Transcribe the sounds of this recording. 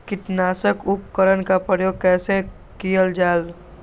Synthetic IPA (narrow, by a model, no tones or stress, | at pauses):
kɪʈ̪naːsəkʊpkəɾənkapɾəjoːɡ̚kɛːsẽ | kijəld͡ʒaːl